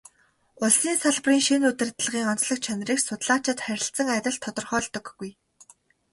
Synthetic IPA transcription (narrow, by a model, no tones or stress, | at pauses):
ʊɮsiːnsaɮpriːŋʃinut̪ɘ̆rt̪̆ɮʁiːŋɔn̥t͡sɮɞ̆k̚t͡ɕʰœnʲriːksʊt̪ɮaːt͡ɕɪ̆t̪χæɾʲɪ̆ɬt͡sə̆ŋæɾʲɪ̆ɮt̪ʰːɔt̪ɞ̆rχœːɮt̪ɞ̆ɡːuj